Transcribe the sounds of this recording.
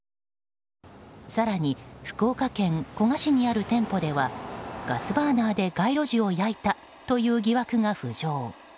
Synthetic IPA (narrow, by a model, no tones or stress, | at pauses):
saɾaɲ̟iɸɯ̟̥ko̞ːkakẽ̞ŋko̞ŋaɕiɲ̟iaɾɯ̟t̪ẽ̞mpo̞d̪e̞βaɡ̥asɨbaːnaːd̪e̞ɡaiɾo̞ʑio̞jait̪a | t̪o̞jɯ̟ːɡʲiβakɯ̟ŋaɸɯ̟ʑo̞ː